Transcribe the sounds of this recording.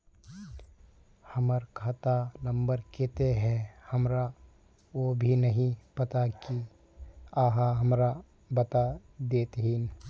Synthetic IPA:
həməɾkʰat̪anə̃mbəɾket̪eɦɛ̃həmɾa | obʱinəɦĩpɐt̪aki | aːɦaɦəmɾa | bət̪ad̪eːt̪ɦiːn

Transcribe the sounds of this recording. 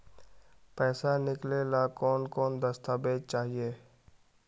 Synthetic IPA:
pɛːsanɪklelakɔːnkɔːnd̪əst̪ʰaːbeːd͡ʒt͡ʃaːɦieː

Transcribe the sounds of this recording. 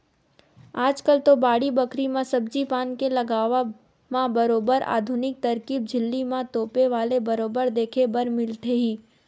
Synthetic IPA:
aːd͡ʒkəlt̪obaːɽibɐkɾimãsɐbd͡ʒipaːnkelɐɡaːʋa | mãbɐɾoːbəɾa̰ːd̪ʱʊnɪk̚t̪ɐɾkiːb̚d͡ʒʱɪlːimãt̪oːpeʋaːlebɐɾoːbəɾd̪eːkʰebɐɾmɪlʈ̪ʰeɦiː

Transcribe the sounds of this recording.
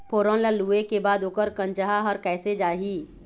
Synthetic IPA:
pʰoːɾõnlaluːekebaːd̪oːkəɾkə̃nt͡ʃəɦaɦɐɾkɛːsed͡ʒaːɦiː

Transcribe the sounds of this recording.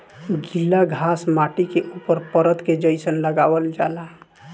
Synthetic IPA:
ɡilːaɡʱasmaʈikeʔupəɾpəɾət̪ked͡ʒəɪsənləɡabəld͡ʒala

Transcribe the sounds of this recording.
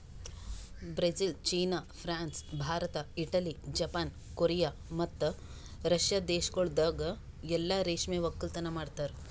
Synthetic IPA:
bɾed͡ʒilt͡ʃiːnapʰɾaːnsbʱaːɾɐt̪ɐiʈɐlid͡ʒɐpaːn | koɾijaːmɐt̪ː | ɾɐʃjaːd̪eːʃɡɐɭd̪ɐːɡ | ɛlːaɾeːʂmeːʋɐkːɐlt̪ɐnɐmaːɖt̪aːɾu

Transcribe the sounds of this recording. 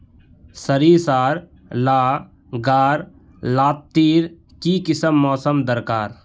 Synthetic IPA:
səɾiːsaːɾ | laː | ɡaːɾ | laːt̚t̪ːiːɾ | kiːkɪsəmːɔːsəmd̪əɾkaːɾ

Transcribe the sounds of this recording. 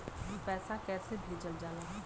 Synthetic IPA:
ɦipɛːsakɛːsebʱed͡ʒəld͡ʒaːlaɦɛ

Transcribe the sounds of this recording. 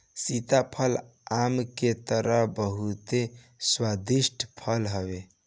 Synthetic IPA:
sit̪apʰəlamket̪əɾəɦbəɦut̪e | swad̪isʈʰpʰəlɦəbe

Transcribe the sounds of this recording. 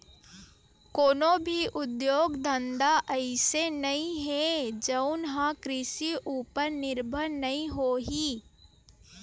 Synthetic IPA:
koːnõbʱiʔʊd̪joːɡd̪ə̃nd̪aʔɐɪsenɐɦĩɦɛd͡ʒɐʊnɦãkɾɪʃiʔuːpəɾnɪɾbʱəɾnɐɦĩɦoːɦiː

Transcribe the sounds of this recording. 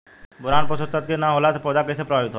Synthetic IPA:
bʊɾaːnpəsəst̪ət̪kenãɦoːlasɐpɔːd̪akɛsepɾəʋaʋɪt̪ɦo

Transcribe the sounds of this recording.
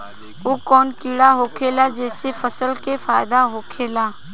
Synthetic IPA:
uːkoːnkiːɽaɦoːkʰeːlaːd͡ʒeːsefəsəlkeːfaːɪd̪aɦoːkʰeːlaː

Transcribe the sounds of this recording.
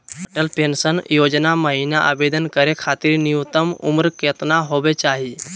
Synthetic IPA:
əʈəlpensənjod͡ʒnaməɦinaʔa̰bed̪ənkəɾekʰat̪iɾnijut̪əmṵmɾket̪naɦobet͡ʃaɦi

